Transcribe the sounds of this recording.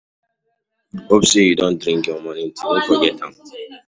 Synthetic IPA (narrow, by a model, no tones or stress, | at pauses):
hopsejudõndɹĩŋkjɔmɔ̃nĩntʰiõfɔɡɛtʰãm